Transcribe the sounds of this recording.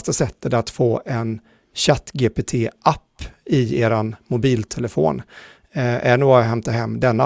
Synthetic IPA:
st̪asɛt̪ːət̪at̪foːʔɛn | ɕat̪ːɡeːpet̪ʰeːʔapːɪeːɾanmʊbiːlt̪ʰɛləfo̰ːn | æ̰ɳuːɡɦɛmt̪aɦɛmːd̪ɛnːa

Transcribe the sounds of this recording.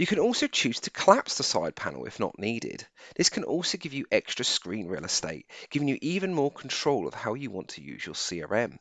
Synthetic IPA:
jəkʰə̃nɔˑlˠsoʊt͡ʃʰʉːz̥tʰəkʰəlapsðəsaɪd̚pʰã̰nə̰l̩ˠɪ̰fnə̰ʔniːdɪ̰d̥ðɪskʰə̃nʔɔ̰ˑlˠsoʊɡɪvjəʔɛkstɹ̥əskɹĩːnɹiəlˠɪsteɪʔ̚ɡ̥ɪvɪ̃ŋjəʔiːvə̃nmɔːɹkʰən̩tʰɹ̥oʊlˠə̰v̥haʊjəwɒ̃ntʰəjʉ̰ːzjəsiɑ̰ɹɛ̃m

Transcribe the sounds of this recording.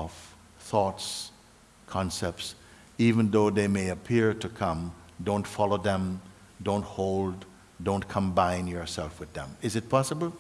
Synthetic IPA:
f | θɔts | kʰɑ̃nsɛp̚ts | ivɨ̃nðoʊðeɪmeɪɨpʰɪɹɾɨkʰʌ̃mdõʊ̃ntfɑlˠoʊðə̃m | dõʊ̃nt̚hoʊlˠd | dõʊ̃nkʰə̃mbãɪ̃njə˞sɛlˠfwɨðə̰̃mɨzɨt̚pʰɑsəbl̩ˠ

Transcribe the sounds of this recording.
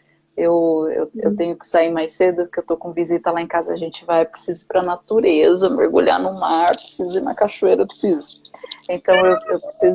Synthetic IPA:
ewḛwḛwt̪ẽɲʊkɪ̥saimajsed̪ʊpʊɾkeewt̪okõvizit̪ɐlaẽkazɐːʒẽnt͡ʃɪvajpɾesizʊpɾɐnat̪uɾezɐmḛɾɡuʎa̰nʊmaɾpɾe̥sizʊinɐ̰kaʃuejɾɐewpɾɪ̥sizʊẽnt̪ɐ̃w̃ewewpɾesiz

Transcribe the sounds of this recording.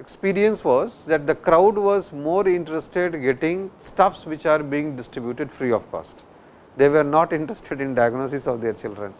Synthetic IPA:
ekspiːɾiə̃nsʋɔːzd̪ɛʈ̚d̪əkɾaʊɖʋɔːzmoːɾɪ̃ɳʈɾesʈeɖɡeʈɪ̃ŋsʈɐfsʋɪt͡ʃaːɾbiɪ̃ŋɖɪsʈɾɪbjuːʈeɖfɾiːɔːʋkɔ̰ːsʈ | d̪eːʋəɾnɔːʈɪ̃ɳʈɾesʈʰeɖɪ̃nɖaɪɡnoːsɪsɔʋd̪eɾt͡ʃɪlɖɾə̰̃n

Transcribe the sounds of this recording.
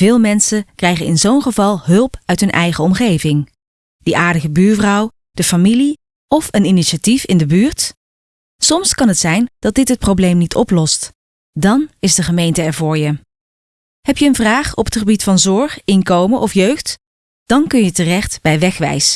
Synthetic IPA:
v̥ɪːlˠmɛnsəkrɛjχənɪnzownχəvɑlˠɦɵlˠpœɥtɦɵnʔɛjχəɔmχejvɪŋ | d̥əʔaːɹdəχəbyːɹvrɑw | d̥əfamili | ɔfəniniʃatifɪndəbyːɹt | sɔmskɑnɦətsɛjnd̥ɑt̚dɪtɦət̚prowblejmnitʰɔ̰plɔst | dɑnɪzdəχəmejntəɛɹvʊːɹjə | ɦɛpjəːnvraːχɔpətχəbitfɑnzɔɹχɪŋkowməʔɔfjøɥχt | d̥ɑnkɵnjətərɛχtb̥ɛjʋɛχʋɛ̰js

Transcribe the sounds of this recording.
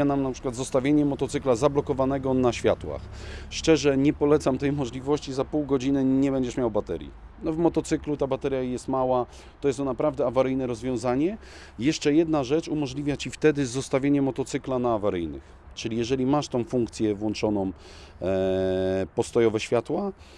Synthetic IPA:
anamnapʂɘ̥kwat̪zɔst̪avʲjeɲɛmɔt̪ɔt̪sɘklazablɔkɔvanɛɡɔnaɕfʲjat̪wa̰xʂt͡ʂɛʐɛɲɛpɔlɛt̪samt̪ɛjmɔʐlʲivɔɕt͡ɕizapuwɡɔd͡ʑinɘɲɛbɛɲd͡ʑɛʂmʲjawbat̪ɛ̰ɾʲjḭ | nɔvmɔt̪ɔt̪sɘklut̪abat̪ɛɾʲjajɛst̪mawa | t̪ɔjɛst̪ɔnapɾavd̪ɛavaɾɘjnɛɾɔzvʲjɔ̃w̃zaɲɛ | jɛʂt͡ʂɛjɛd̪naʐɛt͡ʂumɔʐlʲivʲjat͡ɕift̪ɛd̪ɘzɔst̪avʲjeɲɛmɔt̪ɔt̪sɘklanaːvaɾɘjnɘ̰x | t͡ʂɘlʲijɛʐɛlʲimaʂt̪ɔ̃w̃fuŋkt̪sʲjɛvwɔnt͡ʂɔnɔ̃w | pɔst̪ɔjɔvɛɕfʲjat̪wa

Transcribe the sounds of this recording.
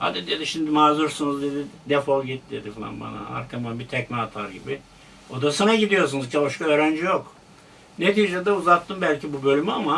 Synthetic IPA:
ha̰d̪id̪ed̪iʃimd̪imaːzuɾsunuzd̪ed̪id̪efolˠɟit̪̚d̪ed̪ifalˠa̰nba̰na̰a̰ɾkʰamanbit̪ʰɛcnaːt̪ʰaɾɟibi | o̞d̪asanaɟid̪ijo̞ɾs̬unuzcʰaoʃkaøːɾænd͡ʒijok | net̪ʰiːd͡ʒɛd̪ɛuzat̪ːɯmbælʲcibubø̞lʲymyama

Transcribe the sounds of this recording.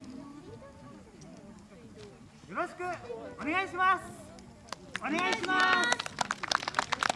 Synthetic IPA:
jo̞ɾoɕi̥kɯ̟one̞ɡaiɕimas | oneɡaiɕimas

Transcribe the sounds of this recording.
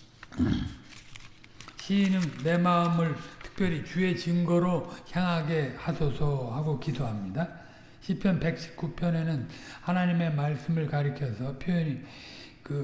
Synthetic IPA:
ɕʰinɯŋːe̞maɯmɯɭtʰɯ̥k̚p͈jʌɾit͡ɕue̞t͡ɕiŋɡʌɾoçjaŋɦaɡe̞hasʰosʰʌhaɡokidoɦamɲida | ɕʰipʰjʌnpe̞k̚ɕ͈ʰi̥k̚k͈upʰjʌne̞nɯnhanaɲime̞maɭs͈ɯmɯɭkaɾikʰjʌsʰʌpʰjojʌni | kɯ

